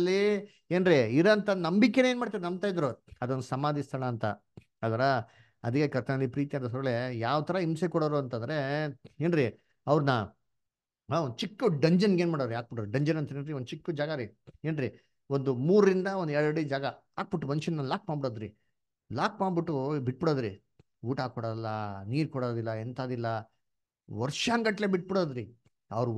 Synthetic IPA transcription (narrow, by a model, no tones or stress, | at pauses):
lːi | e̞ːnɾiiɾɐnt̪ɐnɐmbikːeneːnmaːɽt̪iɾnɐmb̚t̪aːjd̪ɾuɐd̪onːd̪usɐmaːd̪ist̪ʰɐɭɐːnt̪ɐ̰ | aːd̪ɐɾɐ | ɐd̪ikːekɐɾt̪ʰɐnɐlːipɾiːt̪ijaːd̪ɐs̬ɐɾɐɭejaːʋt̪ʰɐɾɐimsekɔɽɐɾuɐnt̪ɐnd̪ɐɾe̞eːnɾi | ɐʋɾnɐ | ond̪ut͡ʃikːuɖɐɲd͡ʒɐnɡeːnmaːɽod̪ɾiaːk̚biʈoɾuɖɐɲd͡ʒɐnɐnt̪enɾiod̪ut͡ʃikːud͡ʒaːɡɐɾieːnɾi | ond̪umuːɾɾind̪ɐond̪ɛɭɐɽid͡ʒaːɡɐ | aːk̚biʈːumɐnʃɐnnːɐlaːk̚maːɳbiɽoːd̪ɾi | laːk̚maːɳbiʈːubiʈ̚ːbiɽoːd̪ɾi | uːʈaːkɔɽɐlːɐniːɾkɔɽoːd̪ilːɐent̪aːd̪ilːɐ | ʋɐɾʂaŋɡɐʈleːbiʈ̚biɽoːd̪ɾi | ɐ̰ʋɾ